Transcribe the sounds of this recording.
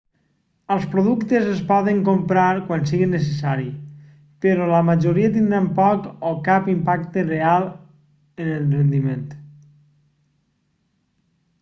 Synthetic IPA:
əlˠspɾoðukt̪ezəspɔðəŋkompɾaɾkwansiɣinəs̬esaɾi | peɾɔləmaʒoɾiət̪̬ind̪ɾampɔkokapimpakt̪erealˠ | ənəlˠrend̪iment̪

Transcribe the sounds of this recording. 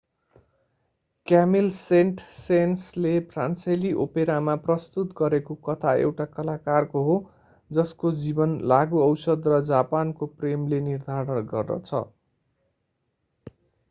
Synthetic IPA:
kamilseɳʈsenslepʰransʌliʔopeɾamaprʌst̪ut̪ɡʌɾekokʌt̪ʰaḛwʈakʌlakarkoɦo | d͡zʌskod͡zibʌnlaɡuʌwsʌd̪rʌd͡zapankopremlenird̪ʱaɾʌnɡʌ̰rd̪ʌ̰t͡sʰʌ̰

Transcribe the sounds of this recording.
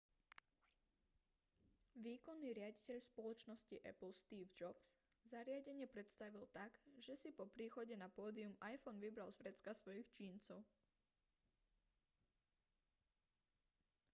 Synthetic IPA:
ʋiːkɔnːiːɾɪaɟicɛʎspɔlɔt͡ʃnɔsciʔɛ̰pl̩st̪iːvd͡ʒɔbs | zaɾɪaɟɛɲɪɛpɾɛt̪st̪aʋilt̪aɡʒɛsipɔpɾiːxɔɟɛnapɔːd̪iumajfɔnʋibɾalzvɾɛt͡skasʋɔjixt͡ʃiːnt͡sɔʊ

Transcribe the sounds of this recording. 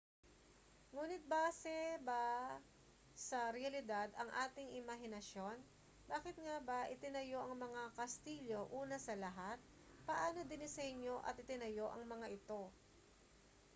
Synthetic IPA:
ŋuːnɪt̪̚baːsɛbɐ | sɐɾɛɐlɪd̪ad̪ɐŋʔaːt̪ɪŋʔɪmɐɦɪnɐʃjo̞n | baːkɪt̪̚ŋaːbɐʔɪt̪ɪnɐjo̞ʔɐŋmɐŋakɐst̪iːʎo̞ʔuːnɐsɐlɐɦat̪̚ | pɐʔaːno̞d̪ɪnɪsɐɪɲjo̞ʔɐ̰t̪̚ɪt̪ɪnɐjo̞ʔɐŋmɐŋaʔɪt̪o̞

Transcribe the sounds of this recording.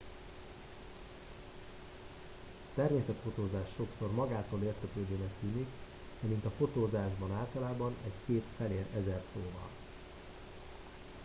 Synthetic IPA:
t̪ɛrmeːsɛt̪fo̞t̪oːzaːʃːo̞kso̞rmɒɡaːt̪oːleːrt̪økløːd̪øːnɛkt̪yːnik | d̪̥ɛmint̪ɒfo̞t̪oːzaːʒbɒnaːlt̪ɒlaːbɒnɛckeːt̪fɛleːɾɛzɛrsoːvɒ̰l

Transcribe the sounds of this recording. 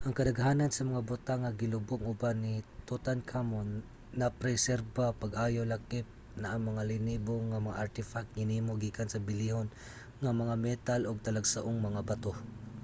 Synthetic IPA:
ʔɐŋkɐd̪aɡɦaːnansɐmɐŋabʊt̪aŋːaɡɪlʊbʊŋʊbanit̪ut̪ankʰamon | napɾɛsɛɾbapaɡʔajolakɪp̚ | naʔːŋmɐŋalɪniboŋamɐŋaʔaɾt̪ɪfak̚t̪̚ŋɪniːmoɡiːkansɐbɪlihon | ŋamɐŋamɛt̪alʔoɡ̚t̪ɐlaɡsaʔʊŋmɐŋabat̪o

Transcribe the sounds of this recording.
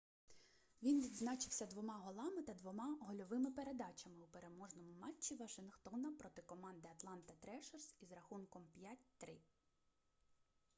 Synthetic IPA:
ʋʲinʋʲid̪znɑt͡ʃɪwsʲɐd̪ʋɔmɑɦɔlˠɑmɪt̪ɐd̪ʋɔmɑɦɔlʲɔʋɪmɪpeɾe̞d̪ɑt͡ʃɐmɪupe̞ɾe̞mɔʒnɔmʊmɑt͡ʃʲːiʋɐʃɪnxt̪ɔnɐpɾɔt̪ɪkɔmɑnd̪ɪɐt̪lˠɑnt̪ɐt̪ɾɛʃɛrsizɾɐxunkɔmpʲjatʲt̪ɾɪ

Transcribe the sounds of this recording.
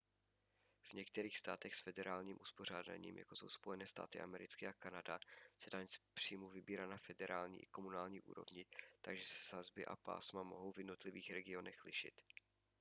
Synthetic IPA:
v̥ɲɛk̚t̪ɛɾiːxst̪a̰ːt̪ɛxsfɛdɛɾaːlɲiːmʔuspo̞r̝aːda̰ɲḭːmja̰ko̞so̞̰wspo̞jɛnɛːst̪a̰ːt̪ɪʔa̰mɛɾɪt͡skɪʔakanadasɛdaːɲɛspr̥iːmuvɪbiːɾat̪nafɛdɛɾaːlɲḭːʔɪko̞munaːlɲiːʔṵːɾo̞̰vɲɪt̪aɡʒɛsɛ̥sazbɪʔa̰pa̰ːsmamoɦowvjɛdno̞t̪lɪviːxɾɛɡɪo̞nɛxlɪʃɪ̰t̪

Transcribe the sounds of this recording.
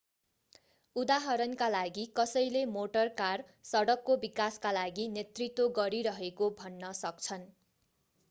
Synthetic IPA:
ud̪aɦʌɾʌnkalaɡikʌsʌjlemoʈʌrkar | sʌɽʌkːobikaskalaɡinet̪rit̪woɡʌɾiɾʌɦekobʱʌnːʌsʌkt͡sʰʌn

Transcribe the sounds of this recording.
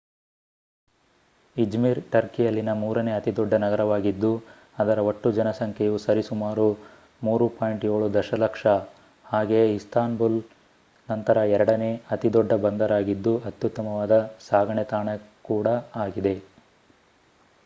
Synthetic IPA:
id͡ʒmiɾʈɐɾkijɐlːinɐmuːɾɐne̞ːɐt̪id̪ɔɖːɐnɐɡɐɾɐʋaːɡid̪ːu | ɐd̪ɐɾɐoʈːud͡ʒɐnɐsɐŋkʰɛjusɐɾisumaːɾu | muːɾupaːjiɳʈjo̞ːɭud̪ɐʃɐlɐkʂɐ | haːɡeist̪aːnbul | nɐnt̪ɐɾɐɛɾɐɽɐne̞ːɐt̪id̪ɔɖːɐbɐnd̪ɐɾaːɡid̪ːuɐt̪jut̪ːɐmɐʋaːd̪ɐsaːɡɐɳɛt̪aːɳɐkuːɽɐaːɡid̪e̞

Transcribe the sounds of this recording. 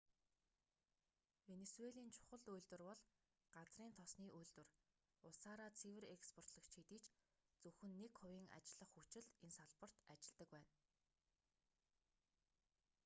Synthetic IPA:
wenesueɮiːnt͡ɕʰʊ̥χə̆ɮujɮt̪wɘ̆rpɔɮ | ɢ̥at͡sriːnt̪ʰɔsniːʔujɮt̪wɘ̆r | ʊsaːɾat͡sʰiwɘ̆ɾekspʰɔr̥t̪ɮə̆kt͡ɕʰit̪iːt͡ɕt͡sɵxɵ̆nːekχʊwiːŋa̰t͡ɕɪ̆ɮə̆χxut͡ɕɪ̆ɮensaɮpə̆r̥t̪at͡ɕɪ̆ɮt̪ə̆kpæːn

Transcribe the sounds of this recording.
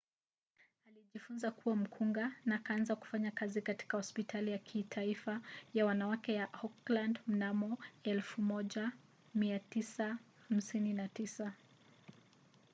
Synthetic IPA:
aliʄifunzakuwam̩kʰuŋɡanakaanzaku̥faɲakazikati̥kahɔspitʰalijakʰitʰaifajawanawakɛjahɔklandm̩namɔɛlfumɔʄa | miatisaham̩sininatisa

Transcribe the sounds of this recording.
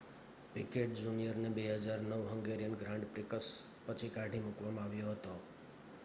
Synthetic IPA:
pikeʈ̚d͡ʒunijəɾnebeɦəd͡ʒaɾnəʋɦəŋɡeɾijənɡɾãɳɖpɾɪkəs | pət͡ʃʰikaɖʱimukʋamãaʋjoɦət̪o

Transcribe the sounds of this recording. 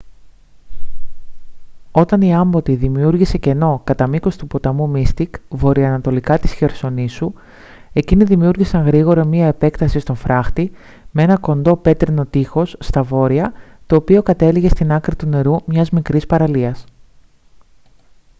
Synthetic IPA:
o̞t̪ɐniɐmbo̞t̪iðimiuɾʝise̞ce̞no̞kɐt̪ɐmiko̞st̪upo̞t̪ɐmumist̪ikvo̞ɾiɐːnɐt̪o̞likɐt̪i̥sçe̞ɾso̞nisu | e̞ciniðimiuɾʝisɐŋɣɾiɣo̞ɾɐmiɐe̞pe̞kt̪ɐsist̪o̞ɱfɾʔɐxt̪i | mee̞nɐko̞nd̪o̞pe̞t̪ɾino̞t̪ixo̞sːt̪ɐvo̞ɾiɐt̪o̞ːpio̞kɐt̪e̞liʝe̞st̪inɐkɾit̪une̞ɾumɲɐzmikɾispɐɾɐliɐs

